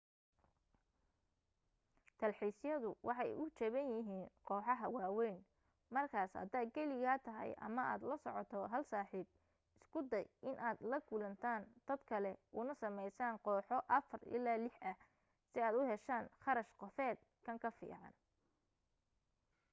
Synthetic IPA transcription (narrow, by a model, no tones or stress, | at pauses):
t̪ʰɐlħiːsjɐðʊwʔɑħɑ̰jʊt͡ʃɛβɐnjɪɦiːnqɔːħɑɦɐwɑːwɛjn | mɐrkʰaːshɐ̰d̪aːd̪̚ɡɛlɪɣaːt̪ʰɐɦɛ̰jʔɐ̰mɐa̰ːd̪lɐsɔ̰ʕɔt̪ʰɔɦɐlsaːħiːb̚ | ɪskʰʊd̪ɐjʔɪnʔaːd̪lɐɡuːlɐnt̪ʰaːnd̪̥ɐd̪kʰɐlɛʔʊnɐsɐmɛjsaːnqɔːħɔʔɐfɐrɪ̰laːlɪħʔɐ | sɪaːd̪ʊhɛʃaːnχɑɾɐʃqɔfɛːd̪̚ | kʰɐŋkʰɐfḭːʕɑ̰n